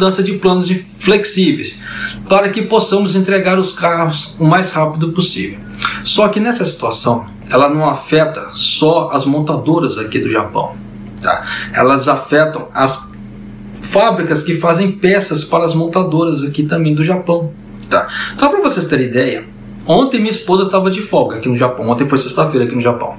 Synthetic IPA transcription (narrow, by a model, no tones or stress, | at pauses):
mud̪ɐ̃sɐd͡ʒɪplɐ̃nʊzĩ | fleksivḛjspaɾɐkɪposɐ̃mʊzẽnt̪ɾeɡaɾʊskahʊzʊmajshapid̪ʊposivew | sɔkɪnɛsɐsi̥t̪uasɐ̃w̃ | ɛlɐnɐ̃w̃afɛt̪ɐsɔɐzmõnt̪ad̪oɾɐzakid̪ʊʒa̰pɐ̰̃w̃ | t̪a̰ɛ̰lɐzafɛt̪ɐ̃w̃ɐs | fabɾikɐskɪfazẽj̃pɛsɐspaɾɐːzmõnt̪ad̪oɾɐzakit̪ɐ̃mbẽj̃d̪ʊʒapɐ̃w̃ | t̪a̰sabɪpɾɐvosest̪eɾid̪ɛjɐ | õnt̪ẽj̃mĩɐispozɐt̪avɐd͡ʒɪfɔɡɐakinʊʒapɐ̃w̃õt̪ẽfojsest̪ɐfejɾɐakinʊʒapɐ̰̃w̃